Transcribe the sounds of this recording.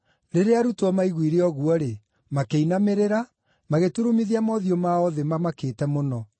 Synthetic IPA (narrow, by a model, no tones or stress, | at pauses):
ɾeɾeaɾutɔmaiɣwiɾeɔɣuɔɾe | makeinameɾeɾa | maɣetuɾomiðiamɔðiɔmaɔðemamakeːtɛmonɔ